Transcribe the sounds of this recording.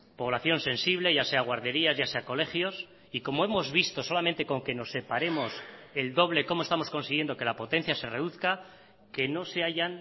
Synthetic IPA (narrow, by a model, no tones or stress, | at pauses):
po̞β̞laθjo̞nse̞nsiβ̞le̞ʝase̞aɣwaɾðe̞ɾiazʝase̞ako̞le̞xjo̞s | iko̞moe̞mo̞zβist̪o̞so̞lament̪e̞ko̞ŋke̞no̞sːe̞paɾe̞mo̞se̞ld̪o̞β̞le̞ko̞moest̪amo̞sko̞nsiɣje̞nd̪o̞ke̞lapo̞t̪e̞n̟θjase̞re̞ðuθka | ke̞no̞se̞aʝan